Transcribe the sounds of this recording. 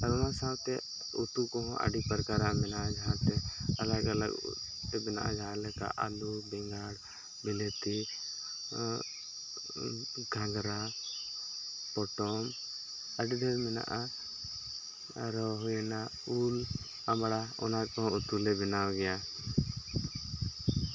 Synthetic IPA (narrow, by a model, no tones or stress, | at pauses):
əɾʊnãsãːbt̪e | ṵt̪ukɔɦɔ̃ʔə̰ɖipəɾkaɾamɪnaad͡ʒɦãt̪eɐləɡələ̰ɡ̰ | t̪ebɪna̰ʔã̰d͡ʒãlɛka̰ʔa̰lubɛ̃ŋɡaːɽ | bɪlet̪i | ɡʱãŋɡɾa | pɔʈɔm | əɖideɾmɪna̰ʔa | ɾɔɦena | uːl | əmɽaɔ̰nakɔɦɔ̃ʊt̪ulebɪnaːoɡɛja